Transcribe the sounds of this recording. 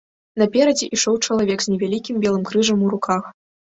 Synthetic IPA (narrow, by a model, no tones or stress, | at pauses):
nɐpʲɛɾɐd͡zʲɛʔiʂɔwt͡ʂɐlˠavʲɛɡzʲnʲɛvʲalʲikʲimbʲɛlˠɨmkɾɨʐɐmuɾukʰax